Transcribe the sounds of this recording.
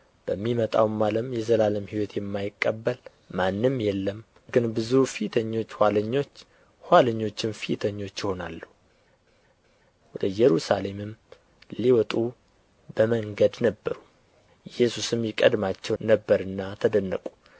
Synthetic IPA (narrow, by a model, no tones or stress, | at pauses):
b̥əmːimət̪ʼa̰wmaləmjɛzəlaləmhiwɔt̪jɛmːajɪkʼːəbːəl | manːɨmjɛlːəm | ɡɨnbɨzufit̪ʰəɲːo̞t͡ʃːhwaləɲːo̞t͡ʃː | hʷaləɲːo̞t͡ʃːɪnfit̪ʰəɲːo̞t͡ʃːjɪho̞na̰lːu | wɔd̪əjɛɾusale̞mɨm | liwɔt̪ʼu | bəməŋɡəd̪nəbːəɾu | jɛsusɨmjɪkʼə̰d̪mat͡ʃːɛwnəbːəɾɨnːat̪ʰəd̪ənːə̰kʼu